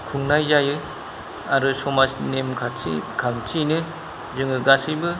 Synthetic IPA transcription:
kʰuŋnajzajɯ | aɾusɔmasnemkʰaḭkʰaŋtʰinɯ | zɯŋɯɡasɯjbɯ

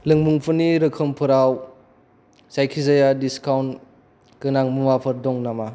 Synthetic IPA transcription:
lɯŋmuŋpʰuniɾɯkʰɯmpʰɯɾaw | sajkʰizajadiskawn | kɯnaŋmuŋapʰɐɾdɔŋnama

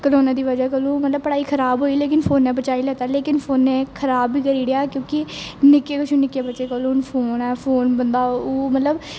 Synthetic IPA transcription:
kəloːnãːd̪iːʋəd͡ʒaːk̬əlõːmət̪ləb̚pəɽaːiːkʰəɾaːbɦoːiːleːkɪnpʰoːnːɛːbət͡ʃaːilɛːt̪aːleːkɪnpʰoːnːeːkʰəɾaːbːiːkəɾiːɽjaːkjõːkɪnɪkeːkʊt͡ʃʰoːnɪkːeːbət͡ʃeːkəlõːnpʰoːnɛːpʰoːnbənd̪aːoːmət̪ləb

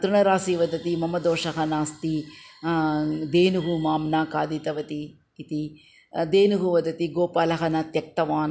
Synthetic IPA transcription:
t̪ɾuɳɐɾaːsiʋɐd̪ɐt̪imɐmɐd̪oːʂɐɦɐnaːst̪i | d̪eːnuɦumaːmnaːkaːd̪it̪ɐʋɐt̪iː | t̪i | d̪eːnuɦuʋɐd̪ɐt̪iɡoːpaːlɐɦɐnɐt̪jɐk̚t̪ɐʋaːn

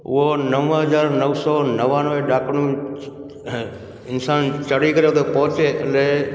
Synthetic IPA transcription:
ʊ̰ɦonəʋəɦɐzaːɾnəʋsɔːnɐʋãːnʋeɗaːknũ | ɪnsaːnt͡ʃɐɽikəɾeʊt̪ʰepɔɦʊt͡ʃeːʔle

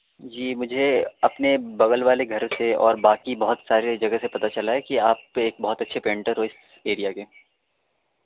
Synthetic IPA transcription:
d͡ʒiːmʊd͡ʒʱeɐpnebɐɣəlʋaːleɡʱɐɾseɔ̰ːɾbaːkibɐɦʊt̪saːɾed͡ʒɐɡəsepɐt̪at͡ʃɐlaɦɛkiaːp̚eːk̚bɐɦʊt̪ɐtːʃʰepẽːɳʈəɾɦoɪs | eːɾijakeː

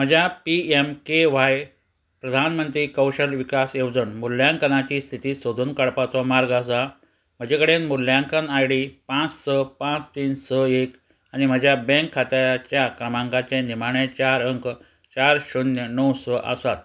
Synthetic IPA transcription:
m̤əd͡ʑʱjapiemkeʋaj | pɾəd̪ʱanmənt̪ɾiːkəwɕəlʋikasewd͡zənmuljãŋkənat͡ɕiːst̪ʰit̪iːsod̪ʱuːnkəɭpat͡sɔmaɾɡas̬a | m̤əd͡ʑekəɽenmuljãŋkənajɽipãt͡sːəpãt͡st̪iːnsəek | anim̤əd͡ʑʱjabẽŋkʰːat̪at͡ɕjakɾəmãŋkat͡ɕẽnim̤aɳet͡ɕaɾəŋk | t͡ɕaɾɕunjənəwsɔʔə̰sat̪

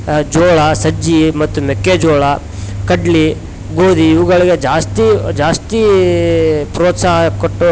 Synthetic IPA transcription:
d͡ʒoːɭɐsɐd͡ʒimɐt̪ːumekːed͡ʒoːɭɐ | kɐɖli | ɡoːd̪iːʋuɡɐɭiɡed͡ʒaːst̪id͡ʒaːst̪i | pɾoːt̪saːɦɐkoʈːu

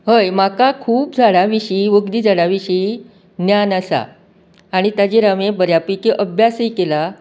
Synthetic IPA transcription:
ɦəjmakakʰuːpd͡zʱaɭaʋiɕiːʋəɡd̪iːd͡zʱaɭaʋiɕi | njanəsa̰ː | ɽ̃it̪ad͡ʑeɾamebəɾjapikeʔəbʱjasejkela

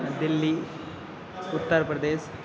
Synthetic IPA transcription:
ɐd̪ilːi | ut̪ːəɾɐpɾɐd̪eːʃ

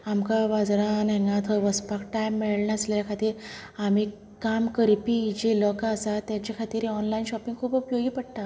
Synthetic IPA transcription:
amkaʋad͡zɾaneŋɡat̪ʰɔʋəspakʈajmːeɭɳaəsleljakʰat̪iːɾam̤iː | kamkəɾipid͡ʑelɔkaəsat̪jat͡ɕakʰat̪iːɾeɔnlainɕɔpĩŋɡkʰuːpupjoɡiːpəɽt̪a

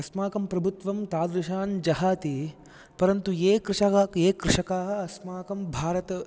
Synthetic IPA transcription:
ɐsmaːkɐmpɾɐbʱut̪ʋɐmt̪aːd̪ɾuʃaːnd͡ʒɐɦaːt̪i | pɐɾɐnt̪ueːkɾɪʃɐkaeːkɾɪʃɐkaːɦɐɐsmaːkɐmbʱaːɾɐt̪ɐ

